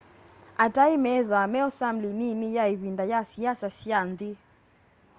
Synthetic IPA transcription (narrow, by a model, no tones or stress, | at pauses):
ataimɛðamɛɔsam̩lininijaiβindajasiasasiandi